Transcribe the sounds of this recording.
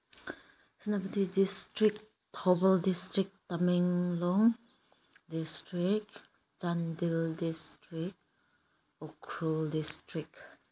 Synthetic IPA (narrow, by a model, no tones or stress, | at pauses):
sinabatidistɾik̚ | tʰɔbəldistɾik̚tamɛŋlɔŋ | distɾik | t͡ʃandildistɾik̚ | ɔkʰɾuldistɾik̚